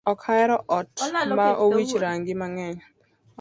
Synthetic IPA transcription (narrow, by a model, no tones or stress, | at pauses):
ɔkʰaɛɾɔʔɔtmaʔowit͡ʃɾaŋɡɪmaŋɛɲ